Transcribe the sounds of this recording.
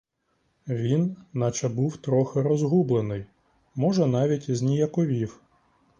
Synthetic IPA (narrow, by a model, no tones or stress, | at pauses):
ʋʲinːɐt͡ʃɐbuwt̪ɾɔxɪɾɔzɦublˠenɪj | mɔʒɛnɑʋʲitʲiznʲijɐkɔʋʲiw